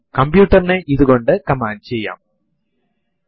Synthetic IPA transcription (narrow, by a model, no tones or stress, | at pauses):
kɐmbjuːʈːɐrineʔiðuɣo̞ɳɖɨkɐmaːnt͡ɕejːa̰ːm